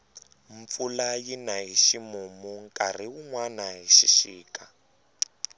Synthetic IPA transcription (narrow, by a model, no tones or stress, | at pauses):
ɱp̪fulajinaɦiʃimumuŋkʼar̤iuŋwanaɦiʃiʃiːkʼa